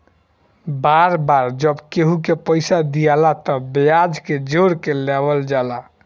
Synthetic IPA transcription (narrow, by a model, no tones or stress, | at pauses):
baɾbaɾd͡ʒəbkeɦukepəɪsad̪ijalat̪ɔbejad͡ʒked͡ʒoɾkelebəld͡ʒala